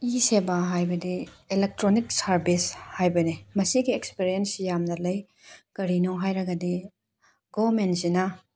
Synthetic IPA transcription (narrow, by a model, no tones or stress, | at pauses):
isebaɦajbɐdi | elek̚tɾonik̚sɐɾbishajbɐnemɐsiɡiekspiɾijensijamnɐlɐj | kɐɾinoɦajɾɐɡɐdi | ɡomensinɐ